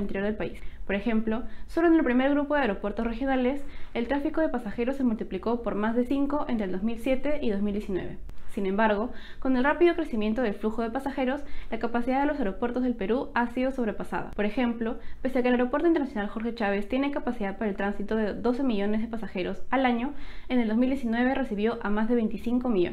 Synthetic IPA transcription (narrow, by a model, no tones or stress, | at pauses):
int̪eɾjo̞ɾðelpaispo̞ɾexe̞mplo̞so̞loenelpɾime̞ɾɣɾupoðeaeɾo̞pwe̞ɾt̪osrexjonaleselt̪ɾafiko̞ð̞e̞pasaxe̞ɾo̞sːe̞mult̪ipliko̞po̞ɾmazðesiŋko̞ʔent̪ɾelozmilsje̞t̪e̞ʔið̞o̞zmild̪jesinwe̞̰βe̞̰sinẽ̞mbaɾɣ̞o̞ko̞ne̞lrapiðokɾesimje̞nt̪o̞ð̞e̞lfluxo̞ð̞epasaxe̞ɾo̞slakapasiðaðelo̞s̬aeɾo̞pwe̞ɾt̪o̞zðelpe̞ɾuasiðo̞so̞βɾe̞pasa̰ða̰poɾe̞xe̞mplo̞peseakelaeɾopwt̪oint̪eɾnasjonalxo̞ɾxe̞t͡ʃaβe̞st̪jene̞kapasiðaðpaɾaelt̪ɾansit̪oðeðo̞se̞miʝo̞ne̞zð̞e̞pasaxe̞ɾo̞salaɲo̞ene̞ld̪o̞zmild̪jesinwe̞βe̞resiβjo̞ʔamazðe̞βe̞jnt̪isiŋko̞miʝo̰n